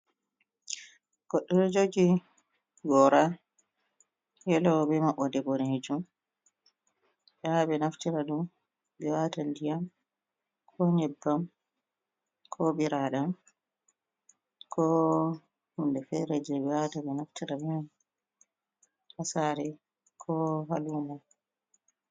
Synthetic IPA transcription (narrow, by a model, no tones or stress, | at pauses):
ɡ̥ɔɗːɔɾɔd͡ʒoɡi | ɡɔɾa | jɛlɔwbɛmaʔɔdɛbɔnɛhed͡ʒum | ɓaabɛnaftiɾaɗum | bɛwatandijam | kʰɔɲɛbːam | kʰɔɓiɾaɗam | kʰɔ | hundɛfɛɾɛd͡ʒɛbɛwatabɛnaftiɾamɛjam | hasaːɾɛ | kʰɔɦaluːma